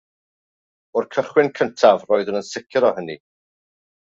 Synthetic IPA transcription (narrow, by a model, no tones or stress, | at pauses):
ʊrkʰəχwɪnkʰəntʰavroːjðunənsɪkʰɾɔhəni